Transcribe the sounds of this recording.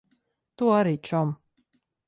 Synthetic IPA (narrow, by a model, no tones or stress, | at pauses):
t̪uɔaɾiːt͡ʃɔm